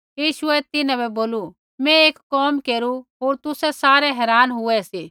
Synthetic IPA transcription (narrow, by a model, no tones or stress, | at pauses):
jiːʃʊɛt̪ɪnãbɛboːlu | mɛ̃eːkkɔːmkeːɾuɦoːɾt̪ʊsɛsaːɾɛɦɛːɾaːnɦʊɛsiː